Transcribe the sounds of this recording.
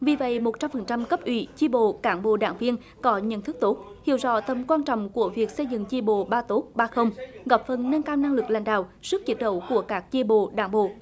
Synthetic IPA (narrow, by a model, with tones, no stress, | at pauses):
vi˨˩və̰˧˨jmo˨˩t̚t͡ɕa˧mfə˨˩nt͡ɕa˧mkə˦˥p̚ʔwḭ˧˩˦t͡ɕi˧ɓo̰˧˨kaː˧˩ŋɓo̰˧˨ɗa̰ː˧˩ŋvi˧ən | kɔ˨˦ɲə̰˧˨nt̪ʰɨ˦˥k̚t̪o˦˥t̚hḭ˧˨əwzɔ̰˧˥˦t̪ə˨˩mkwaː˧nt͡ɕɔ̰˧˨wŋ͡mku˧˩əvi˨˩ək̚sə˧jzɨ̰˧˨ŋt͡ɕi˧ɓo̰˧˨ɓaː˧t̪o˦˥t̚ɓaː˧xə˧wŋ͡mɣa˨˩p̚fə˨˩nːə˧nkaː˧wna˧ŋlɨ˨˩k̚la̰˧˩jŋ̟ɗa̰ː˧˨wsɨ˦˥k̚t͡ɕi˨˦˥t̚ɗə˧˦wku˧˩əkaː˦˥k̚t͡ɕi˧ɓo̰˧˨ɗaː˧˩ŋɓo̰˧˨